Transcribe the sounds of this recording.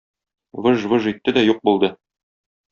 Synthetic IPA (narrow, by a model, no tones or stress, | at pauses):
vɘʒvɘʒit̪ːɘd̪æjuq̚bulˠd̪ɤ